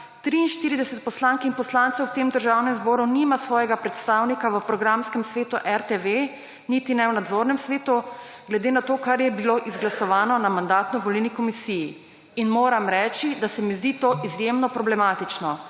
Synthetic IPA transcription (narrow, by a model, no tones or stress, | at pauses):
t̪ɾiːnʃt̪iːɾid̪ɛsɛt̪̚pɔslaŋkinpɔslaːnt̪səwt̪emd̪əɾʒawnɛmzbɔːɾunimasʋɔːjɛɡapɾɛt̪st̪awnikaʋəpɾɔɡɾamskɛmsʋeːt̪uʔɛɾt̪eʋe | nit̪inɛwnad̪zoɾnɛmsʋeːt̪u | ɡlɛd̪eːnat̪oːkaɾjɛbiloʔizɡlasɔʋaːnɔnamand̪aːt̪nɔʋɔlilnikɔmisiji | inmoːɾamɾɛːt͡ʃid̪asɛmizd̪iːt̪oʔizjemnɔpɾɔblɛmaːt̪it͡ʃnɔ